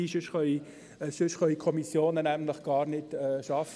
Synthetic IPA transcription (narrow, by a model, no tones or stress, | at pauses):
iʃʏʃχœi | ʃʏʃχœikʰɔmisjoːnənæmləχɡ̥ɑːɾnɪtɛʃɑf